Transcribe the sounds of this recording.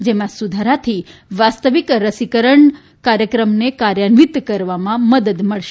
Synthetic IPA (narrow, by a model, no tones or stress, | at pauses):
d͡ʒemãsud̪ʱaɾat̪ʰiʋast̪əʋikɾəsikəɾəɳ | kaɾjəkɾəmnekaɾjənʋit̪kəɾʋamãməd̪əd̪məɭʃe